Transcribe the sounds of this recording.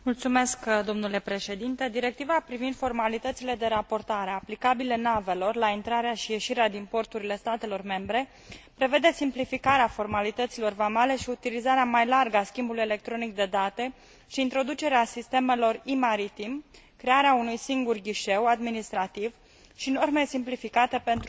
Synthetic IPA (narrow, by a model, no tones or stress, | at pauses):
mult̪sume̞skd̪o̞mnule̞pɾe̞ʃe̞d̪int̪e̞d̪iɾe̞k̚t̪ivapɾivind̪fo̞rmalit̪ət̪sile̞d̪e̞ɾapo̞rt̪aɾeaplikabile̞nave̞lo̞rlaint̪ɾaɾeaʃije̞ʃiɾead̪impo̞rt̪uɾile̞st̪at̪e̞lo̞rme̞mbɾe̞ | pɾe̞ve̞d̪e̞simplifikaɾeafo̞rmalit̪ət̪silo̞rvamale̞ʃiut̪ilizaɾeamajlarɡaskʲimbuluje̞le̞k̚t̪ɾo̞nik̚d̪e̞d̪at̪e̞ | ʃiːnt̪ɾo̞d̪ut͡ʃe̞ɾeasist̪e̞me̞lo̞rimaɾit̪im | kɾe̞aɾeaunujsiŋɡurɡʲiʃe̞wad̪minist̪ɾat̪iv | ʃino̞rmesimplifikat̪e̞pe̞nt̪